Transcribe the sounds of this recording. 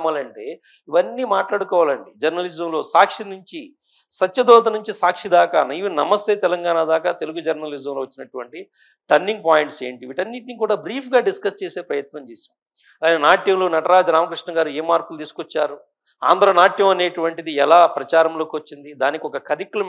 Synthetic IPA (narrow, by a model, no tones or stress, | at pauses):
maːlɐɳʈe̞ː | iʋɐnːiːmaːʈlaːɽukɔːʋaːlɐɳɖid͡ʒɐɾnɐlid͡ʒɐmlo̞ːsaːkʂinuɲt͡ʃi | sɐtːt͡ʃɐd̪ɔːt̪̬ɐnuɲt͡ʃisaːkʂid̪aːkaːnɐiʋinɐmɐst̪e̞ːt̪ɛlɐŋɡaːnad̪aːkaːt̪e̞luɡud͡ʒɐɾnɐlid͡ʒɐmloːʋɐt͡ʃːinɐʈuʋɐɳʈi | ʈɐɾnːiŋɡ̚paːjiɳʈseːɳʈiʋiʈɐnːiʈnikuːɽaːbɾiːpʰɡaːɖiskɐst͡ʃeːse̞ːpɾɐjɐt̪nɐmt͡ʃeːsaː | anenaːʈjɐmloːnɐʈɐɾaːd͡ʒɾaːmɐkɾiʂnɐɡaːɾueːmaːɾkulut̪iːsu̥kɔt͡ʃːaːɾu | a̰ːnd̪ɐɾɐnaːʈjɐmɐne̞ːʈuʋɐɳʈid̪iɛlaːpɾɐt͡ʃaːɾɐmlo̞ːkiʋɐt͡ʃːind̪id̪aːnikiɔkɐkɐɾikulɐ